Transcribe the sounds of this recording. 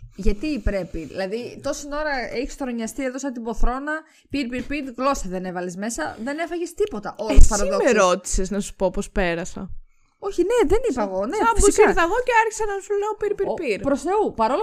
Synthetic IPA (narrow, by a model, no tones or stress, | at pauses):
ʝɐt̪ipɾe̞piðḭlɐðit̪o̞sino̞ɾɐeçi̥st̪oɾoɲɐst̪ieðosɐt̪ibo̞θɾo̞nɐ | piɾpiɾpiɾɣlo̞sɐðe̞ne̞vɐlezme̞sɐðe̞ne̞fɐʝest̪ipo̞t̪ɐʔolspɐɾoðomesɾo̞t̪i̥seznɐsu̥popospe̞ɾɐsɐ̰ | o̞çineðenipɐɣo̞neɐuseɾðɐɣo̞ceɐɾçi̥sɐnɐsuleopiɾpiɾpiɾpɾosθeupɐɾol